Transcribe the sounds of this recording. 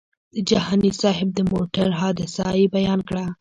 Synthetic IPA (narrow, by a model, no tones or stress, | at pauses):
d̪əd͡ʒahɑnisɑɦɪb̚d̪əmoʈaɾɦɑd̪ɪsɑjibajɑnkɽa